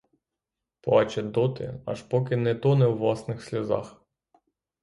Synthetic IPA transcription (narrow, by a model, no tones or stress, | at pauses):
pɑt͡ʃɛd̪ɔt̪ɪ̰ɐ̰ʃpɔkɪnɛt̪ɔnɛwːlˠɑsnɪxsʲlʲɐzɑ̰x